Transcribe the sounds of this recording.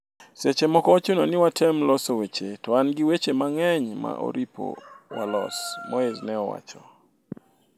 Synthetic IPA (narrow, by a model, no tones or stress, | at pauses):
set͡ʃemɔkɔːt͡ʃononɪwatʰɛmlɔsowet͡ʃetɔanɡɪwet͡ʃemaŋɛɲma̰ʔo̰ɾipo̰walɔ̰smoeznɛɔwa̰t͡ʃɔ